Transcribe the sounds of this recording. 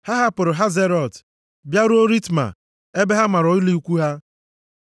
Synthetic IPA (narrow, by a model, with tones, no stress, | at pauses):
ha˦ɦa˦pʊ˨ɾʊ˨ɦa˦ze˦ɾɔ˨t | bja˦ɾu˦o˦ɾi˦tma̰˨ | e˦be˦ɦa˦ma˨ɾo˨˦i˦li˦u˦kʷu˦ɦa˦